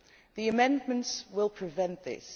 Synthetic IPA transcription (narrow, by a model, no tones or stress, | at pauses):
ðiɨmɛ̃ndmɨ̃ntswɪlˠpʰɹ̥ɨvɛ̃nðɪ̰s